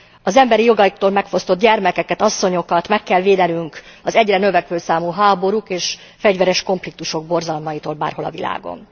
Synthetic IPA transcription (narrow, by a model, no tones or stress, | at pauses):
ɒzɛmbɛɾijo̞ɡɒikt̪oːlmɛkfo̞st̪o̞t̪ɟɛrmɛkɛkɛt̪ɒsːo̞ɲo̞kɒt̪mɛkːɛlʋeːd̪ɛnyŋkɒzɛɟrɛnø̞vɛkʋøːsaːmuɦaːbo̞ɾukeːʃ | fɛɟvɛɾɛʃko̞ɱflik̚t̪uʃo̞ɡ̚bo̞rzɒlmɒjit̪oːlba̰ːrho̞lɒ̰vila̰ːɡo̞̰n